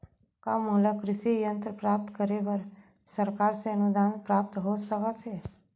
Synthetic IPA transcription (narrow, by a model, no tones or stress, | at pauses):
kamʊləkɾɪʃijə̃nt̪ɾəpɾaːp̚t̪kəɾebəɾ | səɾkaːɾseənud̪aːnpɾaːp̚t̪ɦosəkat̪ʰeː